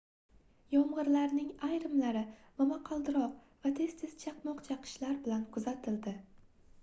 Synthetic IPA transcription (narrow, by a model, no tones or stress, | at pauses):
jɒɴʁɨɾlaɾnɪŋajɾɪmlaɾɪvamaqʰɑlˠd̪ɪɾɒq̚ | vat̪ʰe̞z̥t̪ʰe̞z̥t͡ʃʰɑqmɒqt͡ʃʰɑqʰɨ̥ʃlaɾbɪlankʰʊzat̪ʰɪld̪ɪ